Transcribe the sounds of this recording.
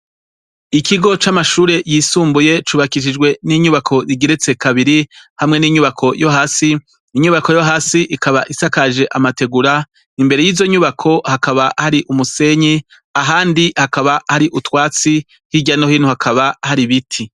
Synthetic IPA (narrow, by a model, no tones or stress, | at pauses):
ikiɡo̞t͡ʃamaʃuːɾe̞jiːsuːmbuje̞t͡ʃuːβakiʃ̬id͡ʒɡwe̞niɲuβakʰo̞jiɡeɾet͡se̞kʰaβiɾihamŋe̞niːɲuβakʰo̞jo̞ɦaːsiː | ɲuβako̞jo̞ɦaːsiʔikaβaʔisakaʒe̞ʔamate̞ɡuɾa | imbe̞ɾe̞jiːzo̞ɲuβakʰo̞hakaβahaɾiʔumuse̞ɲi | aɦaːndihakaβahaɾiʔutwaːt͡si | hiɟanohiːn̥huhakʰaβahaɾiβitʰi